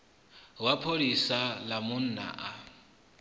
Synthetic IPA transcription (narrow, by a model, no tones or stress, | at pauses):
wapʰolisalamʊn̩na̰ʔa